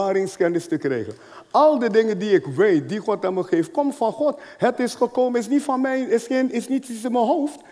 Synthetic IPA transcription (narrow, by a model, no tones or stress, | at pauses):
aːɾɪŋskɛnɪstəkrɛ̰jχən | ɑlˠdədɪŋəndiɪkʋejt̚diχɔtaməχeːft̚kɔmfɑnχɔt | hətɪsχəkoːmənɪs̬nitfɑnmɛjɪsenɪsnitɪsəməɦowft